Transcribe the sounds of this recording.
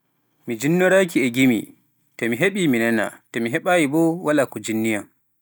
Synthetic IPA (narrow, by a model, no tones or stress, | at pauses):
mid͡ʒinːɔɾakiɛɡimḭ | tɔmiɦeɓiminɛna̰tɔmiɦɛɓajibɔwalakɔd͡ʒinːijam